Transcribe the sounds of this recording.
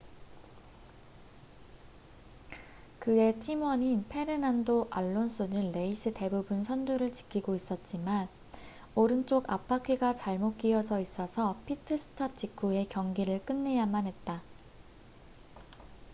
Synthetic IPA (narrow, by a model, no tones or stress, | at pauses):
kɯe̞tʰimwʌɲinpʰe̞ɾɯnandoʔaɭːons͈ʰunɯnːe̞is͈ʰɯte̞bubɯnsʰʌnduɾɯɭt͡ɕi̥kʰiɡois͈ʌt̚t͡ɕ͈iman | oɾɯnt͡ɕ͈oɡa̰pʰakʰiɡat͡ɕaɭmok͈iʌd͡ʑʌis͈ʌsʰʌpʰitʰɯsʰɯ̥tʰap̚t͡ɕ͈ikʰue̞kjʌŋɡiɾɯɭk͈ɯnːe̞jamanɦe̞t̚t͈a